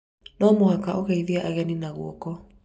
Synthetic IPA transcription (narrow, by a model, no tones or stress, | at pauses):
nɔmoakaʔoɣaiðiaʔaɣɛninaɣwɔkɔ